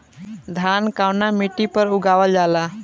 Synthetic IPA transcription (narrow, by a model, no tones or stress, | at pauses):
d̪ʱankawnamiʈipəɾuɡaʋəld͡ʒala